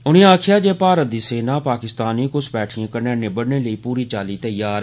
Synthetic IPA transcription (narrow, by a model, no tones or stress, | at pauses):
ʊnĩːaːkʰɪjaːd͡ʒeːpaːɾət̪̚d̪iːseːnaːpaːkɪst̪aːniːkʊsbɛːʈʰijãːkəɾneːnẽːbəɽneːləiːpuːɾiːt͡ʃaːliːt̪əjaːɾ